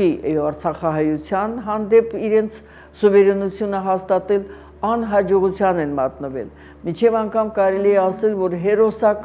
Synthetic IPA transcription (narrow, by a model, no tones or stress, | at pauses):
iɑɾt͡sʰɑχɑɦɑjut͡sʰjɑnɦɑnd̪ɛpiɾɛnt͡sʰ | suvɛɾɛnut͡sʰjunəɦɑst̪ɑt̪ɛl | ɑnɦɑd͡ʒɔʁut͡sʰjɑnɛnmɑt̪nəvɛ̰l | mint͡ʃʰɛvɑŋkʰɑmkɑɾɛliɛɑsɛlvɔɾɦɛɾɔsɑk